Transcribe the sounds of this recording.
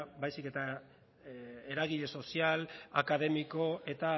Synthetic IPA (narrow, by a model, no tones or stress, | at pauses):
bajsike̞t̪a | eɾaɣ̞iʎe̞so̞siala̰kað̞e̞miko̞e̞t̪a